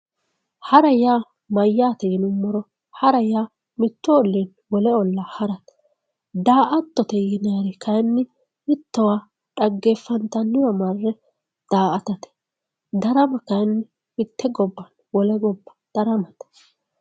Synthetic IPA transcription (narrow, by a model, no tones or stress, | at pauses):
hɐɾɛjaː | mɐjːaːt̪ɛjɪnʊmːɔɾɔ | hɐɾɛjaː | mɪt̪ːɔɔlːen | wɔlɛɔlːahɐɾɐt̪ | d̪aːʔɐt̪ːɔt̪ɛjɪnaɾɛkɐjnːɪ | mɪt̪ːɐwaː | ᶑɐɡːeːfːɐnt̪ɐnːɪjamɐrːɛ | d̪̥aːʔɐt̪ɐt̪ɛ̥ | d̪ɐɾɐmɐkɐjnːɪ | mɪt̪ːɛɡɔbːɐn | wɔlɛɡɔbːɐ̥d̪̥ɐɾɐmɐt̪